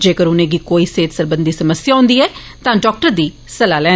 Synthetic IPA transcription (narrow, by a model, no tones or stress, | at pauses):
d͡ʒeːkəɾʊnẽːɡiːkoːiːseːt̪səɾbənd̪iːsəməsɪjaːʊ̃ːnd̪iːɛː | t̪ãːɖɔːk̚ʈəɾd̪iː | səlaːlɛ̃ː